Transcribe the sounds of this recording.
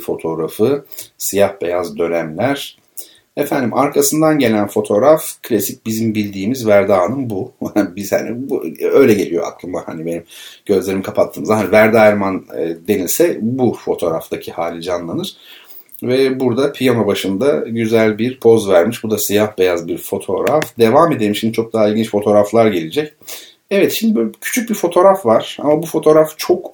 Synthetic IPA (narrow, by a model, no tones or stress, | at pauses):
fo̞t̪ʰo̞ɾafɯsijahbe̞jazd̪ø̞næmlʲæɾ̥ | efænd̪imʔaɾkʰasɯnd̪anɟe̞lʲænfo̞t̪ʰo̞ɾafkʰlʲasic̚bizimbilʲd̪iːmizvæɾd̪aːnɯmbuhabizha̰nḭbuø̞jlʲɛɟelʲijo̞̰ʔa̰kʰlˠɯmbaha̰nibe̞nimɟ̥ø̞zlʲe̞ɾimkʰapʰat̪ʰːɯːmɯzaɦanivæɾd̪aɾmanɯːd̪e̞nilʲsɛbufo̞t̪ʰo̞ːɾa̰ft̪ʰacʰihaːlʲid͡ʒanlˠanɯɾ̥ | vɛbuɾd̪apʰijanobaʃɯnd̪aɟyzælʲbiɾpʰo̞zvæɾmiʃbud̪asijahbe̞jazbiɾfo̞t̪ʰo̞̰ɾafd̪e̞vame̞d̪e̞ɾimʃimd̪it͡ʃʰok̚d̪aɦailʲɟint͡ʃfo̞t̪ʰo̞ːɾaflˠaɾɟe̞lʲid͡ʒɛc | ɛvɛt̪ʃimd̪ibcʰy̥t͡ʃʰyc̚bifo̞t̪ʰo̞ɾafvaɾ̥a̰mabufo̞t̪ʰo̞ɾaft͡ʃʰo̞k